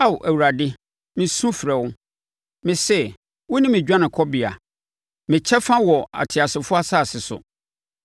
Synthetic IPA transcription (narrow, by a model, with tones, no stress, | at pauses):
a˦˨wʔæ˨wu˨ɾa˨dɪ˦ | mɪ̃˨sũ˦fɾɛ˨wʊ̃˦ | mɪ̃˨sɛ˦˨ | wʊ˦nĩ˦mɪ̃˨d͡ʑᶣã˦nɪ̃˨kʰɔ˦bɪ˨a̰˨ | mɪ̃˨t͡ɕʰɛ˦fã˦wɔ˨a̰˨tʰɪ˨a˨sɪ˨fʊ˦a˦saː˦˨sɪ˨sʊ̰˨